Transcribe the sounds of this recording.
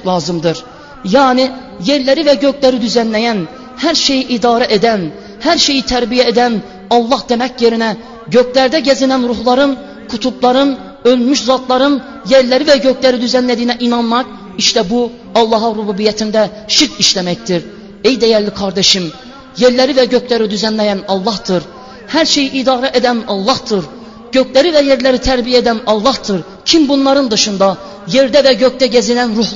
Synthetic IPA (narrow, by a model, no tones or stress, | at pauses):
lˠɑːzɯmd̪ɯɾ | jɑːni | jeɾlæɾivɛɟøcʰlæɾid̪yzænlæjæn | hæɾʃe̞jiʔid̪ɑːɾɛʔed̪æn | hæɾʃe̞jit̪ʰæɾbijɛed̪æn | ɑlˠːɑhd̪emɛcjeɾinɛ | ɟøk̚ʰlæɾd̪ɛɟæzinænɾuhlˠɑɾɯn | kʰut̪ʰublˠɑɾɯn | ølmyʃzɑt̪lˠɑɾɯn | jeɾlæɾivɛɟøkʰlæɾid̪yzænlæd̪ijnɛʔinɑnmɑq | iʃt̪ɛbu | ɑlˠːɑɦɑɾububijæt̪ʰind̪æ | ʃiɾt̪iʃlæmæct̪iɾ | ejd̪æjæɾlikʰɑɾd̪eʃim | jeɾlæɾivæɟøcʰlæɾid̪yzænlæjænɑlˠːɑhd̪̥ɯɾ | hæɾʃe̞jiʔid̪ɑːɾɛʔed̪ænɑlˠːɑhd̪ɯɾ | ɟ̥øcʰlæɾivæjeɾlæɾit̪ʰæɾbijed̪ænɑlˠːɑhd̪ɯɾ | cʰimbunlˠɑɾɯnd̪ɯʃɯnd̪ɑ | jeɾd̪ævæɟøc̚t̪æɟæzilænɾuh